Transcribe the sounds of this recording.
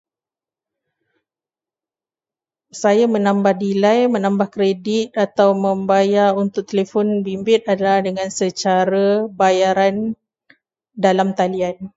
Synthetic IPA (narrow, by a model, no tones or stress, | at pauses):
sajamə̃nãmbahdilajmə̃nãmbahkɾedit̪̚at̪awmə̃mbajarunt̪ʊk̚t̪elefɔnbimbɪt̪̚adalahdəŋãnsət͡ʃaɾabajaɾan | dalamt̪alian